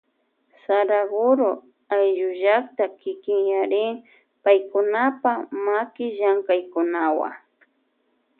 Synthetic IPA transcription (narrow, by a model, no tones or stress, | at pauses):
saɾaɡʊɾo | ajʒʊʒakt̪akɪkɪŋjaɾɪŋ | pajkʊnapamakɪʒaŋkajkʊnawa̰ŋ